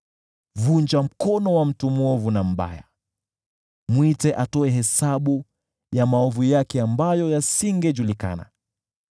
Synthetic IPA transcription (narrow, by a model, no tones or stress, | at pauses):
vund͡ʒam̩kɔnɔwam̩tumuɔvunam̩ɓa̰ja̰ | mwitɛʔatɔɛɦɛsaɓu | jamaɔvujakɛambajɔjasiŋɡɛʄulika̰na̰